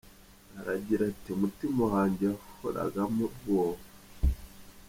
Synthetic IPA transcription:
aɾaɟiɾatiumutimahaːɲɟeafoɾa̰ɡamuɡoːβa

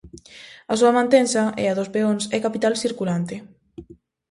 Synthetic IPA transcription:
asuamãnt̪ensaɛ̰aðospeonsɛkapit̪alsiɾkulant̪ɪ

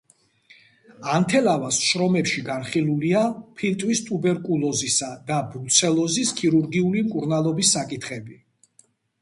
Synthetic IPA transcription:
ant̪ʰɛlavasʃɾɔmɛpʃiɡanχiluliapʰilt̪ʼwist̪ʼubɛɾkʼulˠɔzisad̪abɾut̪sʰɛlˠɔziskʰiɾuɾɡiulimkʼuɾnalˠɔbisːakʼit̪ʰχɛbi

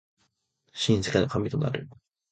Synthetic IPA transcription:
ɕĩñsɨ̥kenokamʲit̪o̞na̰ɾɯ̟̰

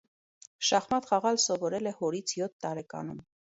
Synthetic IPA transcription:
ʃɑχmɑt̪χɑʁɑlsɔvɔɾɛlɛhɔɾit͡sʰjɔt̪ʰːɑɾɛkɑ̰num

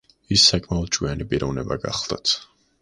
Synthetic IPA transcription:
isːakʼmaɔt̪̚t͡ʃʼwianipʼiɾɔvnɛbaɡa̰χlˠd̪̥at̪ʰ

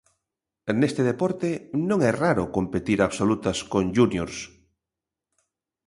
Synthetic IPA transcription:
nest̪eð̞epoɾt̪enõŋɛraɾokompet̪iɾaβsolut̪askonʒunjoɾs

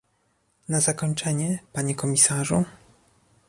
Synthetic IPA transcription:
nazakɔɲt͡ʂɛɲɛpaɲɛkɔmʲisaʐu

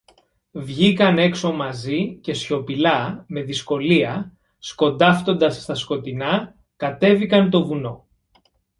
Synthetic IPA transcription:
vʝikɐne̞kso̞mɐzice̞sço̞pilɐme̞ðisko̞liɐ | sko̞nd̪ɐft̪o̞nd̪ɐsːt̪ɐsko̞t̪inɐ | kɐt̪e̞vikɐnt̪̬o̞vuno̞

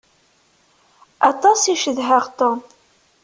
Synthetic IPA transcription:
ɑt̪ˤɑsiʃəðɦæʁt̪on

